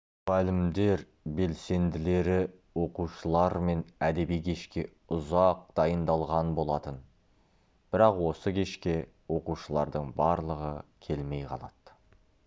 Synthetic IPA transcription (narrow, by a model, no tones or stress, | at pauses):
ʁælɪmd̪e̞ɾ | be̞lse̞nd̪ɪle̞ɾɪ | wo̞quʃəlˠɑɾme̞næd̪e̞bijkʲʰe̞ʃkʲe̞ | ʊzɑq̚d̪̥ɑjənd̪ɑlˠʁɑnbo̞lˠɑt̪ən | b̥ɪɾɑqwo̞səkʲʰe̞ʃkʲe̞ | wo̞quʃəlˠɑ̰ɾd̪əɴbɑɾlˠəʁəkʲʰe̞lme̞jqʰɑ̰lˠɑt̪